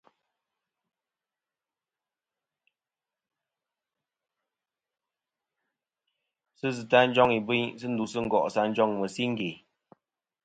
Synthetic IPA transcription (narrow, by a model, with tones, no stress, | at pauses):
sɨ˦zɨ˨ta˦n̩˦d͡ʒɔ˦ŋi˨bi˦ɲsɨ˦n̩˦du˨sɨ˦ŋ̩˦˨ɡɔ˨ʔsa˦n̩˦d͡ʒɔ˦ŋmə˨si˦ŋ̩˦ɡe˨